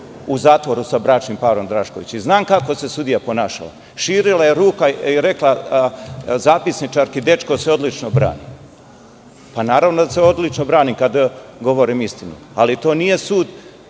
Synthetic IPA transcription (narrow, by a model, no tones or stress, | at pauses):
uzaːt̪ʋo̞ɾusabɾat͡ʃnimpaːɾo̞md̪ɾaːʃkoʋit͡ɕiznaːmkako̞se̞sud̪ijapo̞naːʃa̰la̰ | ʃiːɾilaje̞ɾuːkaiɾe̞klˠa | zaːpisnit͡ʃaɾkid̪e̞t͡ʃkoseo̞d̪lit͡ʃnobɾa̰ːnḭː | panaːɾaʋnod̪aseo̞d̪lit͡ʃnobɾaːniːmkad̪ɡo̞ʋo̞ɾiːmist̪inṵ | alit̪o̞ːnije̞suːd̪